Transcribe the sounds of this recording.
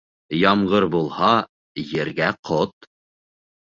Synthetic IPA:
jɑmʁɤɾbulˠhɑ | jɘ̆ɾɡæqʰot̪

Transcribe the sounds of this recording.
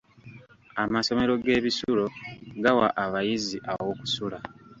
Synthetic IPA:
amaso̞me̞ɾo̞ɡe̞ːβisulo̞ɡawa̰ʔaβajiziʔaβawoku̥sula

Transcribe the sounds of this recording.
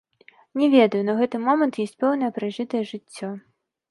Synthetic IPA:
nʲɛvʲɛd̪ɐjunɐɣɛt̪ɨmɔmɐnt̪jɔsʲt͡sʲpɛwn̪ɐjɐpɾɨʐɨt̪ɐjɛʐɨt͡sʲːɔ

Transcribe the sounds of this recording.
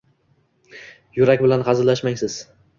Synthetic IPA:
jʊɾak̚ʲbɪlanqɑzɪlaʃmaŋʲsɪz̥

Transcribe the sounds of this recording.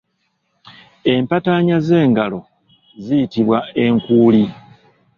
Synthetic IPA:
e̞mpataɲaze̞ːŋɡalo̞ | zijitiβwae̞ŋkuːli

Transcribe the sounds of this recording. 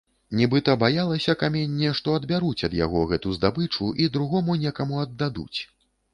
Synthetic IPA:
nʲɛbɨt̪ɐbajalˠɐsʲɐkamʲenʲːɛʂt̪ɔɐd̪bʲaɾut͡sʲɐd̪ja̰ɣɔɣɛt̪uzd̪abɨt͡ʂuʔid̪ɾuɣɔmunʲɛkɐmuɐd̪ːad̪ṵt͡sʲ

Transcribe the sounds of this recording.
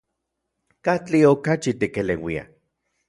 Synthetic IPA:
kat͡ɬiokat͡ʃit̪ikelewia̰

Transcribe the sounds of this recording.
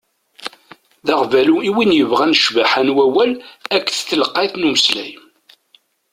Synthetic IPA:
ðɑʁvæluiwinjəvʁænəʃvæħænwæwælækːθθəlqːɑθnuməslæj

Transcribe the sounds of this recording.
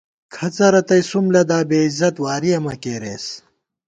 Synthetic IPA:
kʰɐt͡sɐɾɐt̪ɐjsumlɐd̪aːbeːizɐt̪waːɾijɐmɐkeːɾḛːs

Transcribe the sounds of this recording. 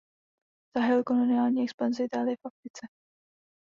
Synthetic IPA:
z̥aɦɛlkolonɪaːlɲiːɛkspanzɪɪt̪aːlɪjɛfafɾɪt͡sɛ

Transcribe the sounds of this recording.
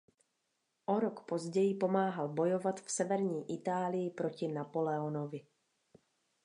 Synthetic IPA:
ʔoɾokpo̞zɟɛjɪpo̞maːɦalbo̞jovat̪fsɛvɛɾɲiːʔɪt̪aːlɪjɪpɾo̞cɪnapolɛonovɪ

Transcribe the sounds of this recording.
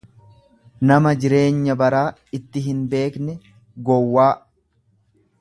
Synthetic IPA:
nɐmɐd͡ʒɪɾe̞ːɲːɐbɐɾaː | ɪt̪ːɪɦɪnbe̞ːknɛ | ɡɔwːaː

